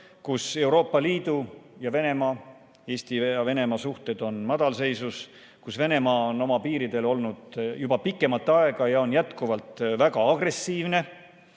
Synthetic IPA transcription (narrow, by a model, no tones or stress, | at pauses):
kuse̞wɾo̞ːpːˑɑliːd̪̥ujɑve̞ne̞mɑː | e̞ːst̪ijɑve̞ne̞mɑsuht̪ed̪̥o̞nmɑd̪̥ɑlse̞jsus | kusve̞ne̞mɑːo̞no̞mɑpiːɾid̪̥e̞lo̞lnud̪̥jubɑpikːˑe̞mɑt̪ːeɑe̞ɡ̥ɑjɑo̞njæt̪kuvɑlt̪ˑvæɡ̥ɑɑɡ̥re̞sːiːvne̞